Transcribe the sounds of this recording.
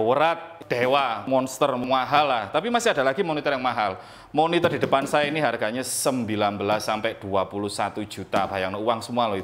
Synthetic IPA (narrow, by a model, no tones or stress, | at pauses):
wəɾat̪̚d̪̥ewaʔmɔnst̪ərmŋaɦalːaht̪apimasiada̤laɡimonit̪ərjaŋmaɦal | monit̪ərd̥i̤də̤pansajainiɦarɡ̥aɲasəmbilanbəlasːampɛʔd̪̥uapuluhsat̪u̥d͡ʒ̥ṳt̪ab̥ajaŋnəuwaŋsəmualɔit̪